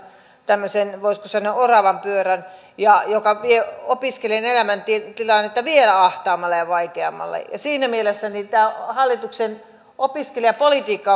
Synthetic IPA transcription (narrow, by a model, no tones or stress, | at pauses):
t̪æmːøsenʋoiskosɑnøorɑʋɑmpyøræn | jɑjokɑʋieopiskelenelæmænt̪it̪ilɑnːet̪ːɑʋielæɑht̪ɑːmːɑlːɑjɑʋɑikeɑmːˑɑ̰lːɑ̰jɑ̰siːnæmielesːænit̪æːhɑlːit̪uksen | ʔopiskeliɑpolit̪iːkːɑ